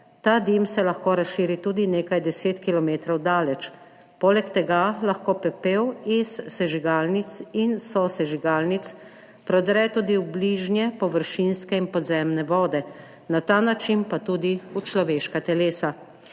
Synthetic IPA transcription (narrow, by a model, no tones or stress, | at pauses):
t̪ad̪imsɛlaxkoːɾasʃiːɾit̪uːd̪ineːkajd̪ɛseːt̪kilɔmeːt̪ɾɔwd̪aːlɛt͡ʃ | polɛkt̪ɛɡalaxkoːpɛpewisːɛʒiɡalnit̪sinsɔsɛʒiɡaːlnit̪s | pɾɔd̪ɾɛt̪uːd̪iubliʒnjɛpɔʋəɾʃinskɛinpɔd̪zɛmnɛʋɔːd̪ɛ | nat̪anat͡ʃinpat̪uːd̪iut͡ʃlɔʋeːʃkat̪ɛleːsa